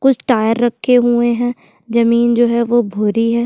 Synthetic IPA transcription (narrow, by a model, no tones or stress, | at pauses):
kʊt͡ʃʰʈaːjəɾːɐkʰːeɦueɦɛ̃ː | d͡ʒɐmiːnd͡ʒoːɦɛʋobʱoːɾiɦɛː